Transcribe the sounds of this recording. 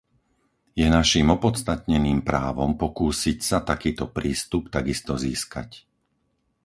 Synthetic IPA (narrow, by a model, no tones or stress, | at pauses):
jɛnaʃimɔpɔt̪t͡st̪at̪ɲɛniːmpɾaːʋɔmpɔkuːsicsat̪akiːt̪ɔpɾiːst̪upt̪aɡist̪ɔziːska̰c